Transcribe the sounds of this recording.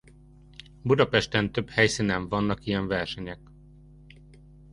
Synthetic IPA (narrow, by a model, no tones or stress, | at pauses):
bud̪ɒpɛʃt̪ɛnt̪ø̞phɛjsinɛɱvɒnːɒkijɛɱvɛrʃɛɲɛk